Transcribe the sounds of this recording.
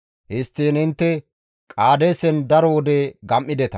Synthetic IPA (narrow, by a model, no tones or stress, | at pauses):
hɪst̪ːiːnɪnt̪ːɛ | kʼaːd̪eːsɛnd̪ɐɾɔwɔd̪eːɡɐmʔːɪd̪ɛt̪ɐ